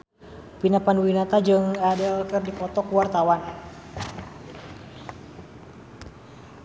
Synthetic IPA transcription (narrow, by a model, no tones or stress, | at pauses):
pinapanwinat̪ad͡ʒɨŋadəlkɨrdipɔt̪ɔkuwart̪awan